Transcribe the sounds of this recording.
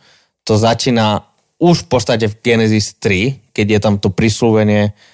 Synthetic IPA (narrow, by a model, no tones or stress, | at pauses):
t̪ɔzat͡ʃiːna | uʃfpɔst̪ac̬ɛvɡɛnɛzist̪ɾikɛɟjɛt̪amt̪ɔpɾisluʋɛɲɪɛ